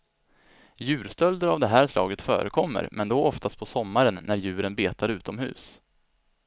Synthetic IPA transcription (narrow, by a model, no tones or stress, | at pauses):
jʉ̟ːɾst̪œld̪əɾavd̪ɛɦæːɾʂlɑ̰ːɡət̪fœ̰ːɾəkʰɔmːə̰ɾmʔɛnd̪oʔɔft̪ast̪̚pʰɔsɔmːaɾənːæɾjʉ̟ːɾənbeːt̪aɾʉ̟ːt̪ɔmɦʉ̟̰ːs